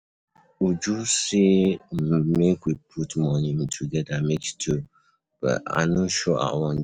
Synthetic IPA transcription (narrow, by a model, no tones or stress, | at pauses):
ud͡ʒusi | mekwipʰutmɔnĩmtʰuɡɛdamektʰu | b̥ʌ̰ta̰noʃɔʔa̰wɔ̃n